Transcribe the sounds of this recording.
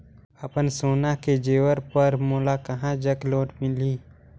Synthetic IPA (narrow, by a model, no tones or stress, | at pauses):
ɐpənsoːnaked͡ʒeːwəɾpəɾmoːlakɐɦãd͡ʒəkloːʈmɪliː